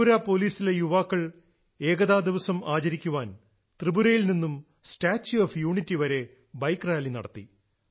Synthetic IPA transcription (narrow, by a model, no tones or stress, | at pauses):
uɾaːpo̞ːliːsilejuʋaːkːɐɭ | e̞ːɡɐðaːd̪iʋɐsɐmaːt͡ɕɐɾikʲːuʋaːn | t̪rɨbuɾɐjilninːum | sʈaːt͡ɕːuɐːfjuːɳitːiʋɐɾe̞ | bɐjkraːlinɐ̰ɽɐt̪ːi